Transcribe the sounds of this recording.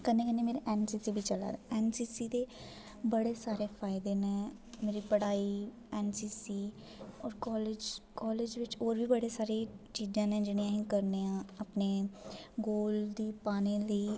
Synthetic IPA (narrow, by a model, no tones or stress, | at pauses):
kənẽːkɛneːmeːɾeʔɛːnsiːsiːbʱiːt͡ʃəla̰ːd̪ɛːnsiːsiːd̪eː | bəɽeːsaːɾeːpʰaːɪd̪eːnẽː | meːɾiːpəɽaːiː | ɛːnsiːsiː | ɔːɾkɔːlɪd͡ʒkɔːled͡ʒʋɪt͡ʃɔːɾbʱiːbəɽeːsaːɾeːt͡ʃiːd͡ʒãːnɛ̃ːd͡ʒɪɽẽãːɦĩːkəɾneːãːəpneːɡoːld̪iːpaːneːləiː